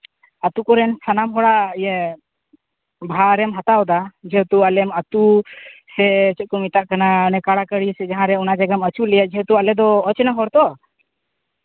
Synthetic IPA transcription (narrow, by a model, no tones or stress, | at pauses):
at̪ukɔɾɛnt̪ʰanamɦɔɽaʔjɛ | bʱaɾɛmɦat̪aɔd̪ad͡ʒɛɦɛt̪ualɛmat̪usɛt͡ʃɔt̪̚kumit̪aʔkananɛkaɽakəɽisɛd͡ʒaɦãɾɛɔnad͡ʒaɡamət͡ʃuʔlɛjaʔd͡ʒɛɦɛt̪ualɛd̪ɔːt͡ʃɛnaɦɔɽt̪ɔ